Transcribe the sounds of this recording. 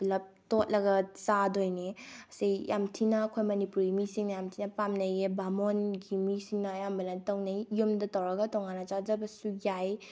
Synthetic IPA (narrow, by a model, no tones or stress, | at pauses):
blɐp̚tot̚lɐɡɐsadojniɐsijjamtʰinɐːkʰojmɐnipuɾɡimisiŋnɐjamtʰinɐpamnɐjebamonɡimisiŋnɐjambɐlatɐwnajjumdɐtɐwɾɐɡɐtɔŋanɐt͡ʃazɐbɐsujaj